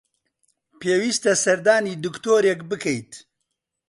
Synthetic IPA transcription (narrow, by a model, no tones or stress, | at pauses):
peːwiːst̪ɐsɐɾd̪aːniːd̪ɨkt̪oːɾekbɨkʰɛjt̪